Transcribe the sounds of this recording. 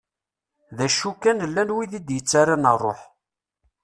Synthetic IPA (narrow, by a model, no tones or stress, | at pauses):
ðæʃukːænəlːænwiðid̪jət͡sːaɾanərˤːo̰ħ